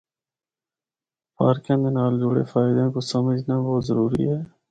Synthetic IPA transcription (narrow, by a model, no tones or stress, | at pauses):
paːɾkẽːmẽnaːld͡ʒoːɽḛːfaːɪd̪ẽːkosəməd͡ʒnaːboːt̪zəɾuːɾḭːɦɛː